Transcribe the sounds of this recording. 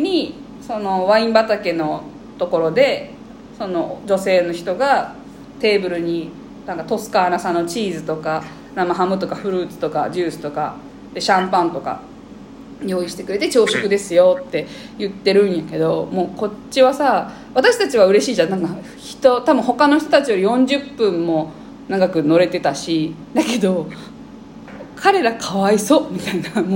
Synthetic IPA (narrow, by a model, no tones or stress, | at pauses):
ɲ̟i | so̞no̞βaĩmbat̪ake̞no̞ | t̪o̞ko̞ɾo̞d̪e̞ | so̞no̞d͡ʑo̞se̞ːno̞çi̥t̪o̞ɡa | t̪e̞ːbɯ̟ɾɯ̟ɲ̟i | nãŋkat̪o̞sɨ̥kaːnasãnːot͡ɕiːzɨt̪o̞ka | namaɦamɯ̟t̪o̞kaɸɯ̟ɾɯ̟ːt͡sɨ̥t̪o̞ka̰d͡ʑɨːsɨ̥t̪o̞ka | d̪̥e̞ɕãmpãnt̪oka̰ | jo̞ːiɕi̥t̪ekɯ̟ɾe̞t̪e̞t͡ɕo̞ːɕokɯ̟d̪e̞sɨjo̞t̪ːe̞ | jɯ̟t̪ːe̞ɾɯ̟̃ɰ̃jake̞d̪o̞mo̞ːko̞t͡ɕːiβasa | βat̪aɕi̥t̪at͡ɕiβ̞aɯ̟ɾe̞ɕiːd͡ʑanãŋka | çi̥t̪ot̪abɯ̟̃ho̞kano̞çi̥t̪o̞t̪at͡ɕijo̞ɾijõ̞ɲ̟d͡ʑɨpːɯ̃mːo̞ | naɡakɯ̟no̞ɾe̞t̪e̞t̪aɕi | d̪ake̞d̪o̞ | kʰaɾe̞ɾakʰaβaiso̞ːmʲit̪ainamo